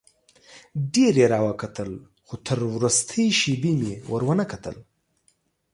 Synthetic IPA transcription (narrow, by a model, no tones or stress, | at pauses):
ɖeɾeɾɑwəkat̪əl | xot̪ʰəɾwɾust̪ʰəjʃibimewəɾwənəkat̪ə̰l